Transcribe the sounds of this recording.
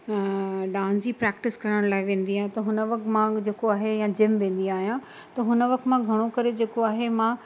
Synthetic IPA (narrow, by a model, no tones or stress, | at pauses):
ɖãːnsipɾɛːkʈɪskɐɾəɽ̃laːɪʋẽːn̆d̪iaːɦɪ̃t̪ɐɦʊnəʋɐk̚t̪mãd͡ʑeːkoaːɦejãd͡ʑɪmʋẽːn̆d̪iaːɦijã | t̪ɐɦʊnəʋɐk̚t̪mãɡʱɐɽ̃okɐɾed͡ʑeːkoaːɦemã